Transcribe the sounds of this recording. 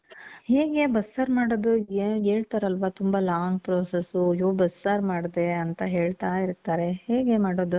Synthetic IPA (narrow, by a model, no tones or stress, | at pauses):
heːɡe̞bɐsːaːɾmaːɽoːd̪ueeːɭt̪aɾɐlʋat̪umbalaːŋpɾoːsesujoːbɐsːaːɾmaːɽd̪e̞ɐnt̪ɐɦe̞ːɭt̪aːiɾt̪ːaːɾe̞ɦeːɡemaːɽoːd̪u